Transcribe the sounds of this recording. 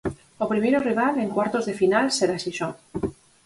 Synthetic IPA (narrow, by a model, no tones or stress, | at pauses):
opɾimeɾoriβ̞ale̞ŋkwaɾt̪o̞zðe̞finalseɾasiʃon